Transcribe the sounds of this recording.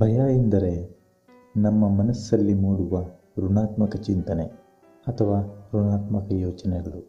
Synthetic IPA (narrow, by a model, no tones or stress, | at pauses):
bʱɐjaːjind̪ɐɾe̞ | nɐmːɐmɐnɐsːɐlːimuːɽuʋɐ | ɾunaːt̪mɐkɐt͡ʃint̪ɐne | ɐt̪ʰɐʋaːɾunaːt̪mɐkɐjoːt͡ʃɐnɛɡɐɭu